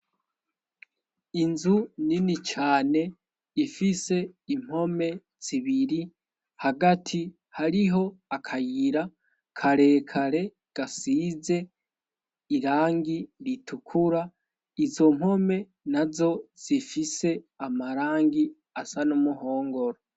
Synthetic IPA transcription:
inzuninit͡ʃaːne̞ | ifise̞im̥ho̞me̞ | z̥iβiɾi | haɡatʰi | haɾiɦo̞akʰajiɾa | kʰaɾe̞ːkʰaɾe̞ | ɡ̥asiːze̞ | iɾaːŋɡiɾitʰukʰuɾa | izo̞m̥ho̞me̞ | nazo̞z̥ifise̞amaɾaːŋɡi | asanomuho̞ːŋɡo̞ɾo

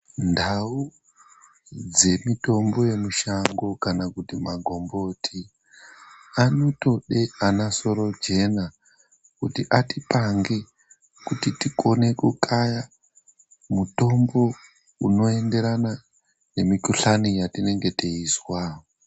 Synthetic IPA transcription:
ndau | d͡ze̞mito̞mbo̞je̞muʃaŋɡo̞kanakutimaɡʱo̞mbo̞tʰi | ano̞to̞ɗe̞anaso̞ɾo̞d͡ʒe̞na | kutiʔatipaŋɡe̞ | kutitiko̞ne̞kukʰaja | muto̞mbo̞ | uno̞e̞nde̞ɾana | ne̞mikuɬanijatine̞ŋɡe̞teiswao

